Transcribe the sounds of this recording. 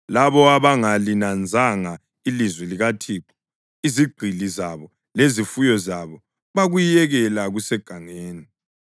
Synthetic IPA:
laβɔaβaŋalinand͡zʱaŋa | ilizwɛliɣatʰiːǁ̥ | iziɡ͡ǃʱilizaβɔ | lezifujɔzaβɔ | βaɣujɛɣɛlaɣusɛɡ̥ʱaŋeːni

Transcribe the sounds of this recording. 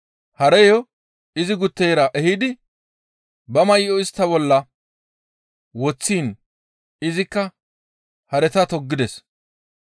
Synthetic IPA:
hɐɾɛjɔ | ɪzɪɡʊt̪ːɛjɾɐʔɛhɪd̪ɪ | bɐmɐjɪʔɔɪst̪ːɐbɔlːɐ | wɔt͡sːiːn | ɪzɪkːɐ | hɐɾɛt̪ɐt̪ɔɡːɪd̪ɛs

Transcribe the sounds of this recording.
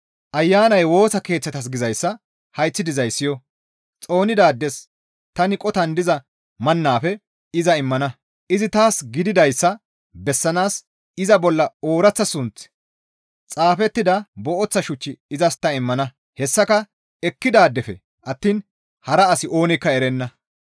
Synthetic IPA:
ʔɐjːaːnɐjwo̞ːsɐke̞ːt͡sːɐt̪ɐs̬ɡɪzɐjsːɐ | hɐjt͡sːɪd̪ɪzɐjsːɪjɔ | t͡sʼo̞ːnɪd̪aːd̪ːɛs | t̪ɐnɪkʼɔt̪ɐnd̪ɪzɐ | mɐnːaːfɛ | ɪzɐɪmːɐnɐ | ʔɪzɪt̪aːsɡɪd̪ɪd̪ɐjsːɐ | bɛsːɐnaːs | ɪzɐbɔlːɐoːɾɐt͡sːɐsʊnt͡s | t͡sʼaːfɛt̪ːɪd̪ɐbɔʔɔt͡sːɐʃʊt͡ʃːɪːzɐst̪ɐɪmːɐnɐ | hɛsːɐkɐ | ɛkːɪd̪aːd̪ːɛfɛ̰ | ʔɐt̪ːiːn | hɐɾɐɐsɪʔo̞ːnɪkːɐɛɾɛnːɐ

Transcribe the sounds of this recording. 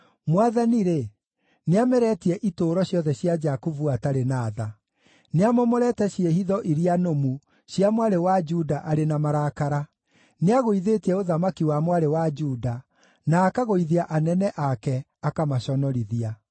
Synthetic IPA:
mwaðaniɾe | neamɛɾɛtiɛʔitoːɾɔɕjɔðɛɕjad͡ʒakovuataɾenaːða | neamɔmoɾɛtɛɕieɦiðɔʔiɾianomu | ɕiamwaɾewad͡ʒudaʔaɾenamaɾakaɾa | neaɣoiðetiɛoðamakiwamwaɾewad͡ʒuːda | naːkaɣoiðiaʔanɛnɛʔakɛ | akamaɕɔnɔɾiðia

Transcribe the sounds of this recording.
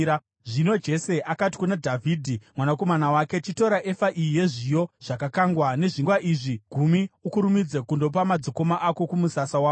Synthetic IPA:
a | ʐino̞d͡ʒe̞se̞ʔakati̥kunadʱavʱiːdʱimwanako̞manawake̞t͡ʃito̞ɾaʔe̞faʔijije̞ʐijo̞ʐ̥akakaŋɡwane̞ʐiŋɡwaʔiːʐiɡ̥ʱumiukuɾumid͡zekundo̞p̬amad͡ziko̞maʔako̞kumusasawaːo

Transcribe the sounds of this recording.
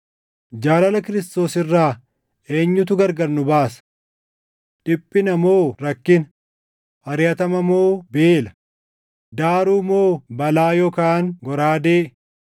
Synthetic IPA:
d͡ʒaːlɐlɐkɪɾɪst̪o̞ːsɪrːaː | e̞ːɲːʊt̪̬ʊɡɐɾɡɐɾnʊbaːsɐ̥ | ᶑɪpʼːɪnɐmo̞ːɾɐkːɪn | ʔɐɾɪjɐt̪ɐmɐmo̞ːbeːlɐ | d̪aːɾuːmo̞ːbɐlaːjɔkaːŋɡɔɾaːd̪eːʔ

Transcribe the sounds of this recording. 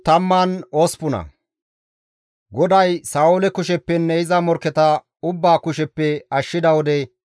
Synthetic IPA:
t̪ɐmːano̞ːspʊnɐ̰ | ɡɔd̪ɐjsaːʊlɛkʊʃɛpːɛnːɛɪzɐmɔɾkːɛt̪ɐ | ʊbːaːkʊʃɛpːɛɐʃːɪd̪ɐwɔd̪ɛ

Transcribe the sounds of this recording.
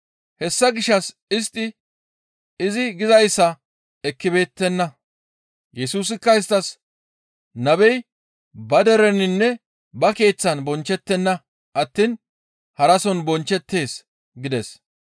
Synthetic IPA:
hɛsːɐɡɪʃːɐs | ɪst̪ʼːɪ | ɪzɪɡɪzɐjsːɐ | ɛkːɪbe̞ːt̪ːɛnːɐ | jɛsuːs̬ɪkːɐɪs̬t̪ːɐs | nɐbɛj | bɐd̪ɛɾɛnɪnːɛ | bɐke̞ːt͡sːɐnbɔnt͡ʃːɛt̪ːɛnːɐ | ʔɐt̪ːin | hɐɾɐsɔnbɔnt͡ʃːɛt̪ːe̞ːs | ɡɪd̪ɛs

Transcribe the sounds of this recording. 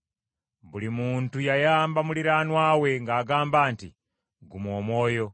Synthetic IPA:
mbulimuntujajaːmbamuliɾanwawe̞ŋɡaːɡaːmbaːntḭ | ɡumomoːjo

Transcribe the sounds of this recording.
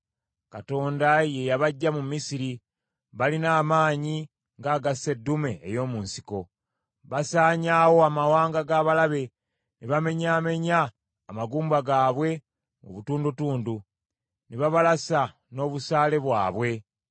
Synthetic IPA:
kato̞ːndaje̞jaβaɟːamumisiɾi | βalinaːmaːɲi | ŋɡaːɡase̞dːume̞ːjo̞ːmuːnsi̥ko̞ | βasaːɲaːwo̞amawaːŋɡaɡaːβalaβe̞ | neβame̞ɲaːme̞ɲaː | maɡuːmbaɡaːβwe̞ | o̰βutuːndutuːndu | neβaβalasa | no̞ːβusaːle̞βwaːβwe̞

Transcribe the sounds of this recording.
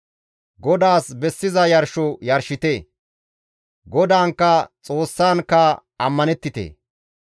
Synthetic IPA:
ɡɔd̪aːsbɛsːɪzɐjɐɾʃɔjɐɾʃɪt̪eː | ɡɔd̪aːŋkːɐt͡sʼo̞ːsːaːnkːɐɐmːɐnɛt̪ːɪt̪ḛː

